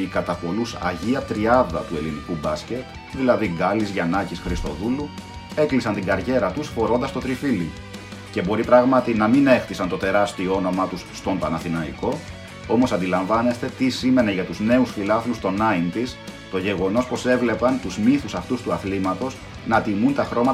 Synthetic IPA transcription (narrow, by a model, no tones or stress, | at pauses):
ikɐt̪ɐpo̞lusɐ̰ʝiɐt̪ɾiɐðɐ̰t̪ue̞linikubɐsce̞t̪ | ðilɐðiɡɐlizʝɐnɐcisxɾist̪o̞̰ðulu | e̞klisɐnt̪iŋɡɐɾʝe̞ɾɐt̪usfo̞ɾo̞nd̪ɐst̪o̞t̪ɾifili | ce̞bo̞ɾipɾɐɣmɐt̪inɐmine̞xt̪isɐnt̪o̞t̪e̞ɾɐst̪ioono̞mɐt̪usːt̪o̞mpɐnɐθinɐiko̞ | o̞mo̞sɐnd̪ilɐɱvɐne̞st̪e̞t̪isime̞ne̞ʝɐt̪uzne̞usfilɐθlust̪o̞nɐint̪ist̪o̞ʝe̞ɣo̞no̞spo̞se̞vle̞pɐnt̪uzmiθusɐft̪ust̪uɐθlimɐt̪o̞z | nɐt̪imunt̪ɐxɾo̞mɐ